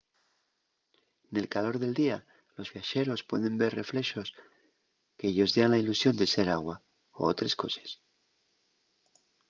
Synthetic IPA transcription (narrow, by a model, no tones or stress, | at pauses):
ne̞lkalo̞ɾðe̞ld̪ia | lo̞zβjaʃe̞ɾo̞spwe̞̰ðe̞mbe̞rre̞fle̞ʃo̞s | keeʝo̞zðeanlailusjo̞nd̪ese̞ɾaɣwa | o̰o̰t̪ɾe̞sko̞se̥s